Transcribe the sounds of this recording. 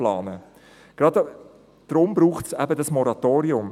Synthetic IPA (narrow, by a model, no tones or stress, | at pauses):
lɑːnə | ɡ̥ɾɑd̪ | d̪̥ɾʊmbɾuːχtsæbədɑsmɔɾɑt̪oːɾiʊm